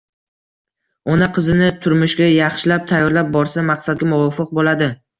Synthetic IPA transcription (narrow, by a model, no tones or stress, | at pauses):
ɒnaqʰɨzɪnɪt̪ʰʊɾmɪʃɡʲajɑχʃɪlap̚t̪ʰajːɒɾlap̚bɒɾsamaqsad̪̚ɡʲamʊvɒfɨq̚bolad̪ɪ